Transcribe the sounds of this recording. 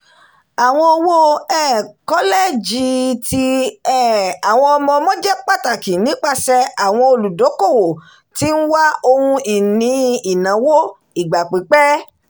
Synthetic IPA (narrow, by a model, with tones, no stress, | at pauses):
a˨w̃ɔ̃˧o˧wo˦ɛː˦˨kɔ˦le˦˨d͡ʒi˧ti˦ɛ˦˨a˨w̃ɔ̃˧ɔ˧mɔ̃˧mɔ̃˦d͡ʒɛ˦k͡pa˦˨ta˨ki˨nĩ˨˦k͡pa˦˨sɛ˧a˨w̃ɔ̃˧o˧lu˨do˨˦ko˦˨wo˨ | ti˨˦n̩˦wa˦o˧hũ˧i˨nĩ˧˦i˨nã˨˦wo˦ | i˨ɡ͡ba˨k͡pi˨˦k͡pɛ˦